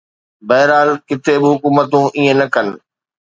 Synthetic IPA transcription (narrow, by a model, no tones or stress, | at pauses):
bɐɦɾaːlkɪt̪ʰeɓɪɦʊkuːmət̪ũʔiẽnɐkɐnɪ̆